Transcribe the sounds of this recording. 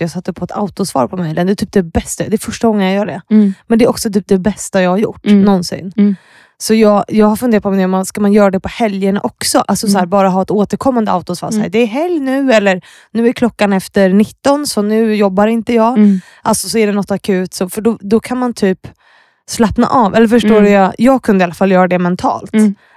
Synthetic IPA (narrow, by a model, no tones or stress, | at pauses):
jɑːɡsat̪ːəpʰɔɛt̪ʰa̰ʊt̪ʊsvɑ̰ːɾpʰɔmɛjlənd̪ɛt̪ʰyːp̚d̪ɛbɛst̪ad̪ɛɾfœʂʈaɡɔŋːənjajœːɖɛmɛnd̪ɛːɾɔksɔt̪ʰyːp̚d̪ɛbɛst̪ajɑːɡhaɾjʊ̰ʈːnɔnsɪ̰nː | sɔjɑːɡjɑːɡhaɾfɵneːɾt̪̚pʰɔmnd̪ɛɔmaskamanjœːɾad̪ɛpʰɔhɛljəna̰ʔɔksɔʔa̰lsɔshæːɾbɑːɾaɦɑːɛt̪oːt̪əɾkʰɔmːand̪əʔa̰ʊt̪ʊsvɑ̰ːɾsæːd̪ɛːɾɦɛljnʉ̟ːɛlːəɾ | nʉ̟ːæɾkʰlɔkːanɛft̪əɾɳɪt̪ːɔnsɔnʉ̟ːjɔbːaɾɪnt̪əjɑːɡ | ʔalsɔsɔæɖɛnɔt̪ːakʰʉ̟ːt̪sɔfœɖɔd̪ɔkʰanmant̪ʰyːp | slapna̰ʔɑːvɛlːəɾfœʂʈoːɾjajɑːɡ̚kʰɵnd̪əalːafalːjœːɾad̪ɛmɛnt̪ʰɑ̰ːlt̪